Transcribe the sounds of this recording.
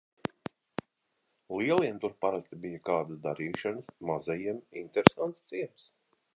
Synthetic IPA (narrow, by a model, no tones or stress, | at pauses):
liɛlˠiɛnt̪uɾpaɾast̪ibijakaːd̪asd̪aɾiːʃanɨsmazɛjiɛmḭnt̪eɾesant̪st̪siɛms